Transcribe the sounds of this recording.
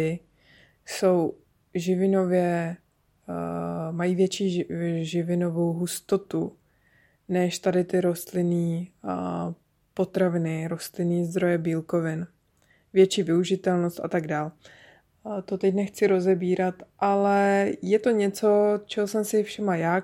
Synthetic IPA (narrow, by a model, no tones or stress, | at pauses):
ɪ | so̞w | ʒɪvɪno̞vjɛ | majiːvjɛt͡ʃiːʒɪvɪno̞vo̞wɦust̪o̞t̪u | nɛʃt̪adɪt̪ɪɾo̞st̪lɪniː | po̞t̪ɾavɪnɪɾo̞st̪lɪniːzd̪ɾo̞jɛbiːlko̞vɪn | vjɛt͡ʃiːvɪuʒɪt̪ɛlnost̪a̰t̪aɡdaːl | t̪o̞t̪ɛcnɛxt͡sɪɾo̞zɛbiːɾat̪ʔalɛjɛt̪o̞ɲɛt͡so̞t͡ʃɛɦosɛmsɪfʃɛmajaː